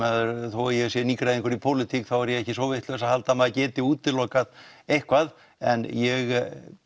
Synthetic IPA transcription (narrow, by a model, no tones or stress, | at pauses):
ɛðʏɾθojɛɣsjɛniːkɾaðɪŋkɔɾipʰowlɪt̪ʰikθawɛɾjɛɣɛhcɪsvowvɪjht̪lœsahalt̪amaðacɛːt̪ɪuːt̪ːɪlːɔːkað | ejhkvað | ɛ̰njɛɣ